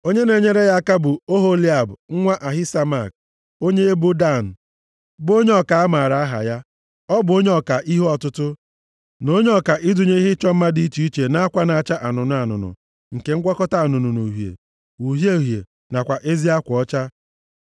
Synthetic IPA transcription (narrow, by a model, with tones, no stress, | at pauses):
o˦ɲe˦ne˨ɲe˦ɾe˦ɣa˦ka˦bʊ˨o˦ɦo˦li˦a˨bŋ̩˦ŋʷa˦ʔa˨ɦɪ˦sa˦ma˨k̚ | o˦ɲe˦bo˦da˦˨n̩˨ | bo˦ɲe˦ɔ˨ka˨a˦ma˨ɾa˨a˦ɦa̰˨ja˦ | ɔ˦bʊ˨o˦ɲe˦ɔ˨ka˨ʔi˦ɦɔ˦ɔ˨tʊ˦tʊ˦ | no˦ɲe˦ɔ˨ka˨ʔɪ˦dʊ˨ɲe˦i˦ɦɪ˦t͡ʃɔ˦m̩˦ma˦di˨˦i˦t͡ʃi˨˦i˦t͡ʃe˨na˦a˦kʷa˦na˨a˨t͡ʃa˦ʔa˨nʊ˨nʊ˨a˨nʊ̰˨nʊ̰˨ | ŋ̩˨ke˨ŋ̩˦ɡʷɔ˦kɔ˦ta˨nʊ˨nʊ˨nu˨ɦjḛ˨ | wu˨ɦje˦˨ɦjḛ˨ | na˨kʷa˨ʔe˦zi˦a˦kʷɔ˨˦t͡ʃa˦